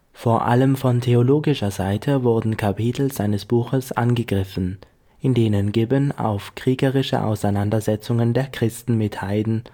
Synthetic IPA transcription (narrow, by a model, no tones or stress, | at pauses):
foːɐʔa̰ləmfɔntʰeoloːɡɪʃɐzaɪtʰəvʊɐdn̩kʰapiːtʰl̩z̥aɪnəsb̥uːxəsʔa̰nɡəɡʁɪfn̩ | ʔɪndeːnənɡɪbəna̰ʊfkʁ̥iːɡəʁɪʃə̰ʔa̰ʊsaɪnandɐzɛt͡sʊŋəndeːɐkʁ̥ɪstn̩mɪthaɪdn̩